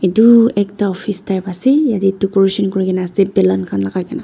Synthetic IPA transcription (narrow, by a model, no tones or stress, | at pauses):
etuɛk̚taɔpʰistajpasijatitukɔɹisɔnkɔɹikɛnaːsɛbɛlankʰanlakakɛna